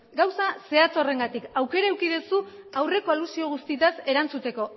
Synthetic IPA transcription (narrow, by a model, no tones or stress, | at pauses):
ɡawsase̞at͡so̞re̞ŋɡat̪ikawke̞ɾaewkið̞esuawre̞ko̞alusio̞ɣ̞ust̪it̪ase̞ɾant͡sut̪e̞ko̞